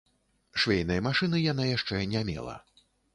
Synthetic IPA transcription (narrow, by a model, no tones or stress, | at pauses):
ʂvʲejnɐjɐmaʂɨnɨjanajaʂt͡ʂɛnʲamʲɛ̰lˠɐ̰